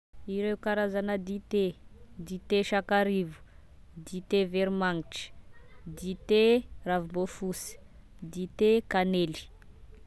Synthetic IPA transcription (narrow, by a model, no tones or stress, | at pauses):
iɾewkaɾazanəd̪it̪ed̪it̪eʃakaɾivu̥ | d̪it̪eveɾimaŋiʈ͡ʂə̥d̪it̪eravumbofusi̥ | d̪it̪ekaneli̥